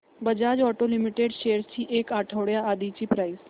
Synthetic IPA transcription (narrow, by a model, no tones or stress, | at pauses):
bəd͡ʒaːd͡ʒɔːʈolɪmɪʈeːɖʃeːəɾst͡ʃiːʔeːkaːʈʰəʋɽjaaːd̪iːt͡ʃiːpɾaːɪs